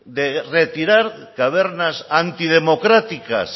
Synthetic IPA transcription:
d̪eret̪iɾaɾkaβ̞eɾnasant̪ið̞emokɾat̪ika̰s

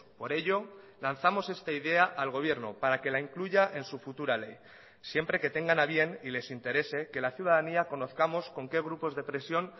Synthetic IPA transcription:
po̞ɾe̞ʎo̞ | lanθamo̞se̞st̪aiðe̞aʔalɣ̞o̞β̞je̞ɾnopaɾake̞laiŋkluʝaʔe̞nsufut̪uɾale̞j | sje̞mpɾe̞ke̞t̪e̞ŋɡanaβje̞nile̞sint̪e̞ɾe̞se̞ke̞laθjuð̞aðaniako̞no̞θkamo̞sko̞ŋke̞ɣ̞ɾupo̞zðe̞pɾe̞sjo̞n

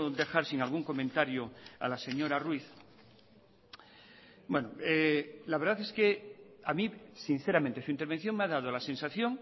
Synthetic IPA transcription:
d̪e̞xaɾsiŋalɣuŋko̞mẽnt̪aɾjoa̰lase̞ɲo̞ɾarwiθ | bwenoelaβe̞ɾðaθe̞skeamisin̟θeɾament̪esuint̪eɾβen̟θjo̞ŋmeaðað̞olasẽ̞nsaθjo̞ŋ

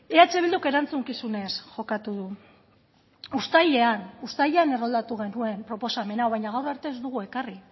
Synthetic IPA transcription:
eat͡ʃe̞β̞ild̪uke̞ɾant͡suŋkisune̞sʝo̞kat̪uðu | ust̪ajʎe̞anust̪aʎeane̞ro̞ld̪at̪uɣ̞e̞nue̞mpɾo̞po̞same̞nawβajɲaɣ̞awraɾt̪e̞ːzd̪uɣue̞kari

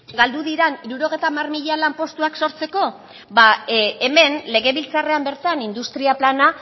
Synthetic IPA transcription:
ɡald̪uðiɾaniɾuɾo̞ɣ̞e̞jt̪aːmarmiʎalampo̞st̪uakso̞ɾt͡se̞ko̞ | βaeme̞nle̞ɣe̞βilt͡sare̞ambe̞ɾt̪anind̪ust̪ɾiaplana

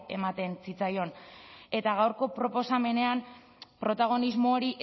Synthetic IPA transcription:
e̞̰mat̪e̞nsit͡sajo̞ne̞t̪aɣ̞awɾko̞pɾo̞po̞same̞ne̞am | pɾo̞t̪aɣ̞o̞nizmo̞ːɾiʔ

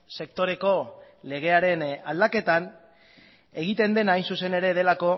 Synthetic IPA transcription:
se̞kt̪o̞ɾe̞ko̞ | le̞ɣ̞e̞aɾe̞nald̪ake̞t̪an | e̞ɣ̞it̪e̞nd̪e̞najnsuse̞ne̞ɾe̞ðe̞lako̞

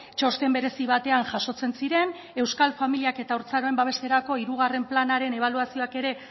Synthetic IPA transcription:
t͡ʃo̞st̪e̞mbe̞ɾe̞siβat̪e̞anʝaʃo̞t͡se̞nsiɾe̞n | e̞wskalfamiliake̞t̪auɾt͡saɾoe̞mbaβ̞e̞st̪e̞ɾako̞iɾuɣ̞are̞mplanaɾe̞ne̞β̞aluasio̞ake̞ɾe̞

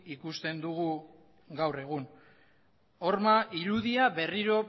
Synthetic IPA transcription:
ikust̪e̞nd̪uɣu | ɡawre̞ɣ̞un | o̞ɾmaʔiɾuðiaβe̞riɾo̞

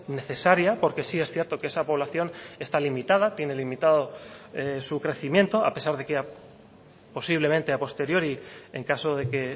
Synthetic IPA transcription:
ne̞θe̞saɾjapo̞ɾke̞sie̞sθjeɾt̪o̞ke̞esapo̞β̞laθjo̞ne̞st̪alimit̪að̞at̪je̞ne̞limit̪aðo̞esukɾe̞θimje̞nt̪o̞a̰pe̞saɾð̞e̞kea | po̞siβle̞mẽnt̪eapo̞st̪e̞ɾjo̞ɾieŋkaso̞ðe̞ke̞

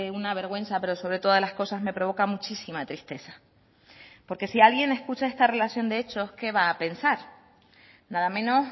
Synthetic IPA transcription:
eunaβ̞e̞ɾɣwe̞nsape̞ɾo̞so̞βɾe̞t̪o̞lahko̞sazme̞pɾoo̞kamut͡ʃisimat̪ɾist̪e̞sḁ | po̞ɾke̞sialɣje̞ne̞skut͡ʃae̞st̪are̞lasjo̞nd̪ee̞t͡ʃo̞ske̞βaːpe̞nsaɾ | naðamẽ̞no̞s

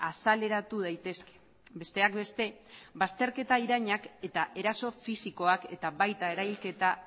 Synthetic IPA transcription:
asale̞ɾat̪uð̞ajt̪e̞ske̥ | be̞st̪e̞akbe̞st̪e̞βast̪e̞ɾke̞t̪aiɾaɲake̞t̪aʔe̞ɾaso̞fisiko̞ake̞t̪aβajt̪ae̞ɾajlke̞t̪a

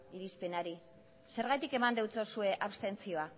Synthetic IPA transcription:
iɾispe̞naɾi | se̞ɾɣajt̪ike̞mand̪ewt͡so̞sue̞ʔaβst̪e̞nt͡sio̞a

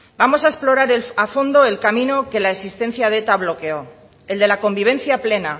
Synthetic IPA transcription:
bamo̞sae̞splo̞ɾaɾelafo̞nd̪o̞e̞lkamĩno̞ke̞laeksist̪ẽ̞n̟θjaðe̞t̪aβ̞lo̞ke̞o̞ | e̞ld̪e̞lako̞mbiβ̞ẽ̞n̟θjaple̞na

